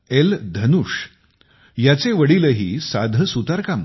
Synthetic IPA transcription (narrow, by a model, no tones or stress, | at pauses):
eld̪ʱənuːʂ | jat͡seʋəɽiːləɦiːsad̪ʱəsut̪aɾkam